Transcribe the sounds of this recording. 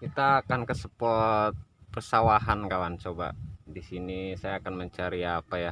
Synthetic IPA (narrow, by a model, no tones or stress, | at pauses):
kit̪aːkankəsəpɔt̪̚pərsawaɦankawant͡ʃoba̰disinisajaːkanməɲt͡ʃaɾiapaja